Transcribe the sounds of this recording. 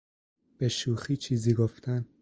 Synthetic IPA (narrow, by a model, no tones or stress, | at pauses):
b̥e̞ʃuːxiːt͡ʃʰiːziːɡoft̪ʰæn